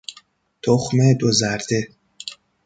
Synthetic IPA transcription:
t̪ʰoxmed̪ozæɾd̪̥e

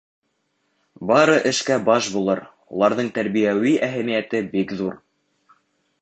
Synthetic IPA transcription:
bɑɾɤʔɘ̆ʃkæbɑʃbulˠɤɾ | ulˠɑɾðɤɴt̪æɾβijæwiʔæɦæmijæt̪ɘbikðuɾ

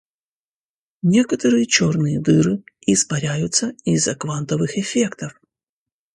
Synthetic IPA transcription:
nʲe̞kət̪əɾɨjət͡ɕornɨjəd̪ɨɾɨ | ɪspɐɾʲæjʊt̪səizːɐkvant̪əvɨxɛfʲe̞kt̪əf

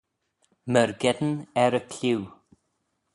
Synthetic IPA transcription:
məɹɡɛd̪n̩ɛɾəkʰlʲiw

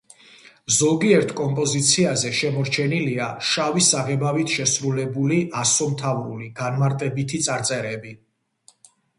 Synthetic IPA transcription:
zɔɡiɛɾt̪ʰkʼɔmpʼɔzit̪sʰiazɛʃɛmɔɾt͡ʃʰɛniliaʃavisaʁɛbavit̪ʰʃɛsɾulɛbuliʔasɔmt̪ʰavɾṵliɡ̥anmaɾt̪ʼɛbit̪ʰit̪sʼaɾt̪sʼɛɾɛbi

